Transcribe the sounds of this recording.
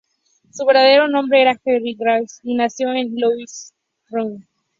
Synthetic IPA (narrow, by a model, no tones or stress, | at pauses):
suβe̞ɾðaðeɾo̞nõ̞mbɾeeɾaxeriɡɾawsinasjoenluis | run